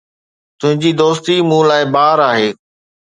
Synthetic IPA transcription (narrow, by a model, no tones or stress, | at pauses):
t̪ʊɦɪ̃ɲd͡ʑiːd̪oːst̪imũːlaːɪbaːɾaːɦeː